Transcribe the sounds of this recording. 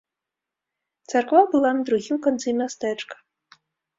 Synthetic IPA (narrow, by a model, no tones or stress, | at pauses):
t̪sarkvabɨlˠanɐd̪ɾuɣʲimkant̪sɨmʲast̪ɛt͡ʂkɐ̥